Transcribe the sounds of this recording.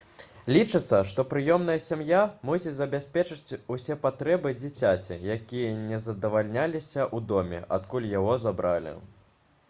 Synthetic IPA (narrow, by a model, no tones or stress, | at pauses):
lʲit͡ʂɨt̪sːɐʂt̪ɔpɾɨjɔmnɐjɐsʲamjamusʲit͡sʲzɐbʲasʲpʲɛt͡ʂɨt͡sʲusʲɛpat̪ɾɛbɨd͡zʲit͡sʲat͡sʲḭjakʲijɐnʲɛzɐd̪ɐvalʲnʲalʲisʲɐʔud̪ɔmʲɛ̰ʔat̪kulʲjaɣɔzabɾalʲḭ